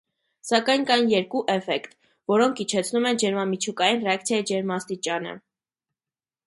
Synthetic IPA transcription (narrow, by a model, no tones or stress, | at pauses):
sɑkɑjnkɑjnjɛɾkuʔɛfɛkt̪ | vɔɾɔŋkʰit͡ʃʰɛt͡sʰnumɛnd͡ʒɛɾmɑmit͡ʃʰukɑjinrɛɑk̚t͡sʰjɑjid͡ʒɛɾmɑst̪it͡ʃɑnə̰